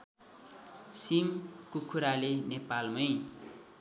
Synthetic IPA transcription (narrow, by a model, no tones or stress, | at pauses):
simkukʰuɾalenepalmʌj